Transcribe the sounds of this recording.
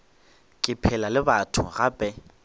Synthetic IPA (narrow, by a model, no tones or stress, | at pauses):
kʼɪpʰɛlalɪbatʰʊ̰ɣapʼɛ